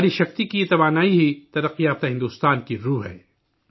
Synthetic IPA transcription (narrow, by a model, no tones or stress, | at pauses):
ɾiʃɐxt̪ikit̪ɐʋaːnaːiɦit̪ɐɾɐqːiaːft̪aɦɪ̃nd̪uːst̪aːnkiɾuːɦɛ̰ː